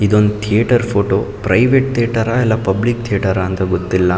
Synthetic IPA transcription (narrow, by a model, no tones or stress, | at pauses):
id̪o̞nd̪ut̪ʰijʈɐɾpʰoːʈopɾɐjʋeʈ̚t̪ʰijeʈɐɾaɛlːɐpɐblik̚t̪ʰijeʈɐɾaːnt̪ɐɡot̪ːilːɐ